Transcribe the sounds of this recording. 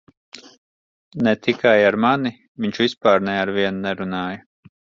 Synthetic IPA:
nɛt̪ikʰajaɾmani | viɲʲt͡ʃvʲispaːɾnɛaɾviɛnnɛɾunaːjɐ

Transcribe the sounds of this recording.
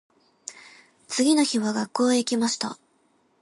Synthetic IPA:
t͡sɨɡʲino̞çiβaɡakːo̞ːikʲimaɕi̥t̪a

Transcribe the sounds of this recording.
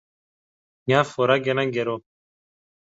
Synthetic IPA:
ɲafoɾaɡenãŋɡeɾo

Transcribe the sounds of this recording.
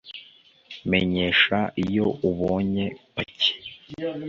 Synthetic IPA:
me̞ɲe̞ʃaijo̞uβoːɲe̞pace̥

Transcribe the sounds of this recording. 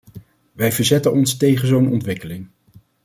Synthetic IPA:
ʋɛjvəɹzɛtənɔnstejχənzownɔntʋɪkəlɪŋ

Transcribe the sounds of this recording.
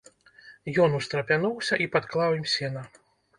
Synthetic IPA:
jɔnust̪ɾɐpʲanɔwsʲɐʔipat̪klˠawimsʲɛnɐ

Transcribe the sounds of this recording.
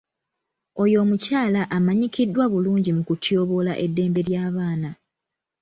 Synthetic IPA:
o̞jo̞ːmucaːlaʔamaɲikidːwaβuluːɲɟimukutjo̞ːβo̞la̰ʔe̞dːe̞ːmbe̞ɾjaːβaːna

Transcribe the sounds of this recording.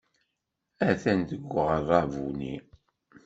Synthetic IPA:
æθænt̪əɡʷːəʁərˤɑvunḭ

